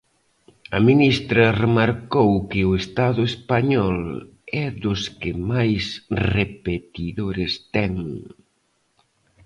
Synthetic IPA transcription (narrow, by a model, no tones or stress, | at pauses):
ɐminist̪ɾɐremaɾkowkɪʊest̪aðʊespaɲɔl | ɛðʊskɪmajsrepet̪iðoɾɪst̪ɛŋ